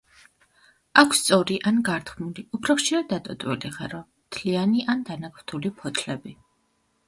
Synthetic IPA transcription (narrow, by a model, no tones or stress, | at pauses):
akʰst̪sʼɔɾiʔanɡaɾt̪ʰχmuliupʰɾɔχʃiɾad̪ːat̪ʼɔt̪ʼwḭliʁaɾɔ | t̪ʰlianiʔand̪anakʰɾt̪ʰulipʰɔt̪ʰlɛbi